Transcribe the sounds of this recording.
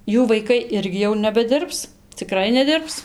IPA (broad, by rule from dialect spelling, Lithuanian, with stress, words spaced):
ˈjuː ʋɐɪˈkɐɪ ˈɪrʲɡʲɪ jɛʊ nʲɛbʲɛˈdʲɪrps t͡sʲɪˈkrɐɪ nʲɛˈdʲɪrps